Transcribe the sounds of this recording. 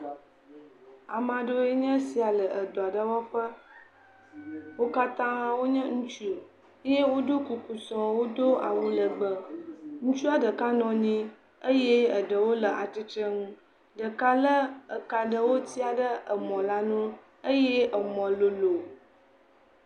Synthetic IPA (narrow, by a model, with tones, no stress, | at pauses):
a˨mã˨ɖo˦e˦ɲə̃˦si˨a˨lə˨ʔə˨d̪ɔ˨a˨ɖə˦wɔ˦ɸə˦ | wo˦ka˦t̪ã˦wo˦ɲə̃˦ŋũ˦t͡ʃu˦o˨˦ | je˦wo˦d̪o˦ku˨ku˨sɔ̃˨wo˦do˦a̰˨wu˦lə˨ɡ͡bə˨ŋũ˦t͡ʃu˦a˨ɖə˨ka˦nɔ̃˨ɲĩ˦ | ə˦je˦ə˨ɖə˨wo˦lə˨ʔa˨t̪i˦t͡ʃə˦ŋũ˦ | ɖə˨ka˦lə˦ə˨ka˨ɖə˦wo˦t̪i˦a˨ɖə˦ə˨mɔ̃˨la˦nũ˦ | ə˦je˦ə˨mɔ̃˨lo˨lo˨